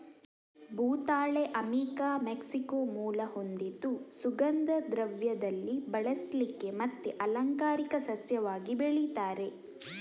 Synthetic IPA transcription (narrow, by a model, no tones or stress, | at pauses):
bʱuːt̪aːɭeʔɐmiːkaːmeksikomuːlɐho̞nd̪id̪ːusuɡɐnd̪ɐd̪ɾɐʋjɐd̪ɐlːibɐɭɐslikːe̞mɐt̪ːeʔɐlɐŋkaːɾikɐsɐsjɐʋaːɡibeɭit̪aːɾe̞